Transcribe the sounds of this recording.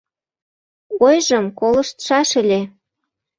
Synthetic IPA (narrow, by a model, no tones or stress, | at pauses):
ojʒɤ̆mkolɤ̆ʃt̪ʃɑʃə̆lʲe